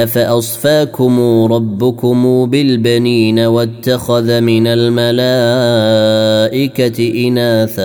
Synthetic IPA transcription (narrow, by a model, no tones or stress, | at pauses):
faʔɑsˤfaːkʊmuːɾˤɑbːʊkʊmuːbɪlbaniːnawat̪ːaxaðamɪnalmalaː | ʔɪkaʔɪnaːθa